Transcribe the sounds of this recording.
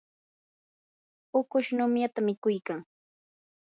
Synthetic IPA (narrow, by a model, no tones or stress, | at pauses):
ʊkʊʃnʊmjat̪amɪkʊjkaŋ